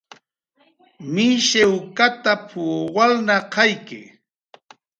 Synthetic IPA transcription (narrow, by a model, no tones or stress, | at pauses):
mɪʃewkat̪apʰuwalnaqɑjkɪ̰